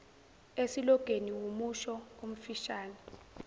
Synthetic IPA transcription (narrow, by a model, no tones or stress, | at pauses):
esilɔɡ̥ʱeniwomuʃɔom̩fiʃaːnɛ